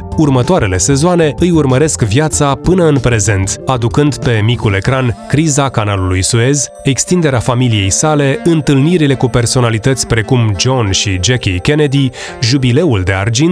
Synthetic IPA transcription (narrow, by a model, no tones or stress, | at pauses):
urmət̪oaɾe̞le̞se̞zoane̞ɨjurməɾe̞skvjat̪sapɨnəɨnpɾe̞ze̞nt̪ad̪ukɨnd̪pe̞mikule̞kɾankɾizakanalulujsue̞zʲ | e̞kst̪ind̪e̞ɾeafamilije̞jsale̞ɨnt̪ɨlniɾile̞kupe̞rso̞nalit̪ət̪sʲpɾe̞kumd͡ʒo̞nʃid͡ʒekʲikʲened̪i | ʒubile̞uld̪e̞a̰rd͡ʒin